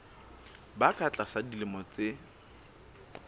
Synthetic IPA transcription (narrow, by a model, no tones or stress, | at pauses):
bakʰʼat͡ɬʼasadilɪmɔt͡sʼe